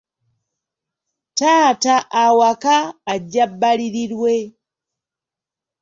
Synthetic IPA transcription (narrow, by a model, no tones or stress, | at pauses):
taːtaʔawakaːɟːabːaliɾiɾwe